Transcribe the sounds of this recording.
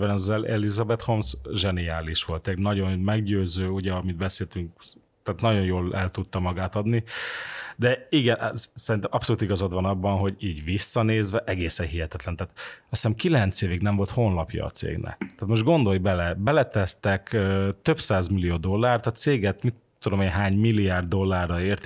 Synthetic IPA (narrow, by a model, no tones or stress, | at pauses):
bɛnɒɛlɛlizɒbɛt̪ho̞msʒɛniaːliʃʋo̞lt̪ɛɟnɒɟo̞nmɛɡɟøːzøːuɟɛɒmid̪bɛseːlt̪yŋk̚ | t̪aːt̪nɒɟo̞jjoːlɛlt̪ut̪ːɒmɒɡaːt̪ɒd̪ni | d̪ɛiɡɛnʔsɛɾint̪ɛmʔɒpsoluːt̪iɡɒzod̪ʋɒnɒbːɒnɦo̞ɟiːɟvisːɒneːzʋɛʔɛɡeːsɛnɦiɦɛt̪ɛt̪lɛnt̪aːt̪ɒsɛmkilɛnt̪seːviɡnɛɱvo̞lt̪ho̞nlɒpjɒ̰ːt̪sḛːɡnʔɛ̰kt̪aːt̪mo̞ʒd̪̚ɡo̞nd̪o̞jbɛlɛbɛlɛt̪ɛtt̪ɛkøt̪ø̞psaːzmilːijoːd̪o̞lːaːrt̪ɒt̪seːɡɛt̪mit̪ːud̪o̞meːɲɦaːɲmilːiaːrd̪ːo̞lːaːrːɒeːrt̪